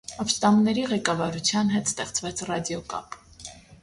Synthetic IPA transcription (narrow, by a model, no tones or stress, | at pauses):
ɑpst̪ɑmnɛɾiʁɛkɑvɑɾut͡sʰjɑnɦɛt̪st̪ɛχt͡svɛt͡sʰrɑd̪jɔkɑ̰p